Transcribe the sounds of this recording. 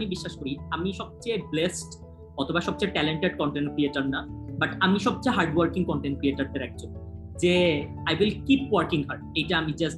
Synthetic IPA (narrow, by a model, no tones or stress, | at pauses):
mibiʃːaʃkoɾiamiʃɔb̚t͡ɕajblesʈ | ɔt̪ʰobaʃɔb̚t͡ɕajʈɛleɳʈeɖkɔɳʈenkɾieʈannabaʈamiʃɔb̚t͡ɕajɦaɾɖwɐɾkiŋkɔɳʈenkɾieʈaɾd̪eɾɛk̚d͡ʑon | d͡ʑe | ajwilkipwaɾkiŋɦaɾɖ̚ejʈaamid͡ʑas